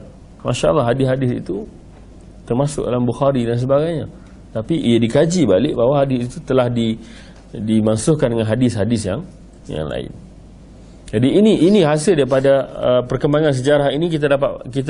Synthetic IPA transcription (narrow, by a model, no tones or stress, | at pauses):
maʃaa̰lːɑɦadɪsɦadɪsḭt̪u | t̪ərmasʊk̚dalambuxaɾidans̬əbaɡajɲa | t̪apiʔijadikad͡ʒibalɪʔ̚bawaɦadɪsiit̪ut̪əlahdi | dimasʊhkandəŋanɦadɪsɦadɪsjaŋ | ja̰ŋla̰ɪ̰n | d͡ʒadiːniʔːniɦasɪldaɾipadaəpərkəmbaŋans̬əd͡ʒaɾaɦinikit̪adapaʔ̪kit̪